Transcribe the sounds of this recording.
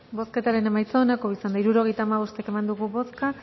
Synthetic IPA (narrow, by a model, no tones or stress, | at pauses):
bo̞ske̞t̪aɾe̞ne̞majt͡saonako̞isand̪aiɾuɾo̞ɣ̞e̞jt̪aːmaβ̞o̞st̪e̞ke̞mand̪uɣuβo̞ska